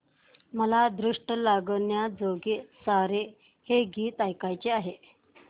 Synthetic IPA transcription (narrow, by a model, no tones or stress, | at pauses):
məlad̪ɾuʂʈəlaɡɳjad͡zoɡesaɾe | heɡiːt̪ajkajt͡ɕeaɦe